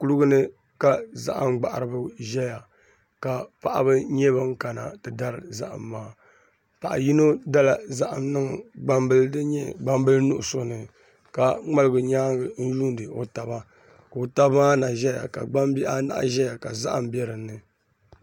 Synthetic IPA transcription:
ku˦lʊ˦ɡɨ˦nɨ˦ | ka˦za̰˦ʔa̰˨mɡ͡ba˨ʔa˨ɾɨ˨bɨ˦ʒɛ˦ja˨ | ka˨pa˨ʔa̰˦bɨ˦ɲɛ˦ba˦ŋ̩˦ka˨na̰˨tɨ˨da˦ɾɨ˨za̰˦ʔa̰˨mːaː˦ | pa˨ʔa̰˨ji˦no˦da˦la˨za˦ʔa˨mnɨ˦ŋ˨ɡ͡ba˦mbɨ˦ldɨ˦ɲɛ˦ɡ͡ba˦mbɨ˦lnu˦ʔʊ˨so˦nɨ˨ | ka˨ŋ͡ma˦lɨ˦ɡʊ˨ɲaː˦ŋɡɨ˨n̩˦ju˦n˦dɨ˨o˨ta˨ba˦ | ko˨ta˦bmaː˦na˨ʒɛ˦ja̰˨ka̰˨ɡ͡ba˦m˦bi˦a̰˦na̰˦ʔʒɛ˦ja˨ka˨za̰˦ʔa̰˨mbjɛ˦ɾɨ˨nːɨ˨

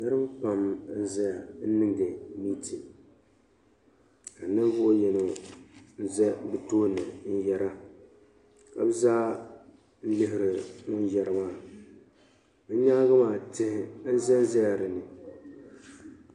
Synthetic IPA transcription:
nɨ˦ɾɨ˦m˦k͡pa˨mn̩˦zɛ˦ja˨n̩˦nɨ˦ŋdɨ˨miː˦tʰi˨ | ka˨nɨ˦ɱ˦vʊ˦ʔjɛ˨no˨n̩˦zɛ˦bɨ˦toː˦nɨ˨n̩˦jɛ˦ɾa˦ | ka˨bɨ˦zaː˦ | n̩˦lɪ˦ɦɪ˨ɾɪ˨nʊ˦n˦jɛ˨ɾɨ˨maː˦˨˦ | ɲa˦ɡa˦maː˦˨tɪ˦hɪ˦n̩˦zɛ˦n˦zɛ˦ja˨ɾɨ˨nɨ˨

